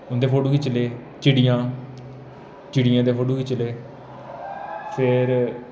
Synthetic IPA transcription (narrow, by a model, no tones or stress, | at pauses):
ʊnd̪eːpʰoːɖuːkiːt͡ʃəleː | t͡ʃɪɽijãː | t͡ʃɪɽiːjãːd̪eːpʰoːɖuːkiːt͡ʃəleː | pʰɪɾ